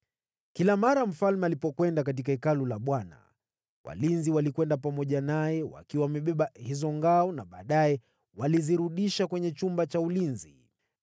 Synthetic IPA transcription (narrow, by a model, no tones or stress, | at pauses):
kilamaɾam̩falmɛalipɔkwɛndak̬at̬ikaikalulaɓwana̰ | wa̰linziwalikwɛndap̬amɔʄanajɛwa̰kiwamɛɓɛɓahizɔŋɡaɔnaɓaːɗajɛ | waliziɾuɗiʃakwɛɲɛt͡ʃumbat͡ʃaulinzi